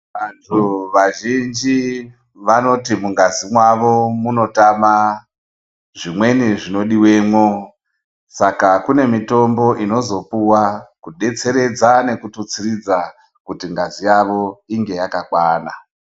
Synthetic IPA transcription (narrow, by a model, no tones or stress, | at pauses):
ʋantʰuʋaʒind͡ʒi | ʋano̞timuŋɡazimwaʋo̞muno̞tama | ʐimwe̞niʐino̞ɗiwe̞ːmwo | sakakune̞mito̞mbo̞ʔino̞zo̞puwakuɗe̞t͡se̞ɾe̞d͡zane̞kutut͡sirid͡za | kutiŋɡazijaʋo̞iŋɡe̞jakakwaːna̰